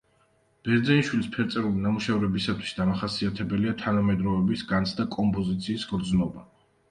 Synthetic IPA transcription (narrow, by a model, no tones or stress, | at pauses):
b̥ɛɾd̪zɛinʃwilispʰɛɾt̪sʼɛɾulinamuʃɛvɾɛbisat̪ʰwi̥sd̪amaχasiat̪ʰɛbɛliat̪ʰanamɛd̪ɾɔɛbisɡant̪sʰd̪akʼɔmpʼɔzit̪sʰiːsɡɾd̪znɔba